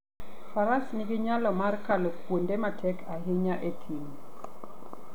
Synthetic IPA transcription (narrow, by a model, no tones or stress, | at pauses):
faɾasniɡɪɲalɔmarkalopwondematʰɛkʰaɦɪɲaʔetʰiŋ